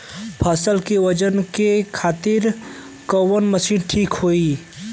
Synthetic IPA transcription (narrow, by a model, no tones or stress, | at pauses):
pʰaːsəlkeʋəd͡ʒənkekʰaːt̪ɪɾ | kəwənməsiːnʈʰiːkɦoːi